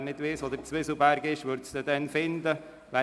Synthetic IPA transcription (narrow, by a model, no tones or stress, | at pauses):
nɪd̥̪ʋɪːsod̪əɾt͡sʋɪsl̩ˠbæɾɡɪʃʋʏɾt̪sd̥̪ɛd̥̪ɛnfɪnd̪ə | ʋæ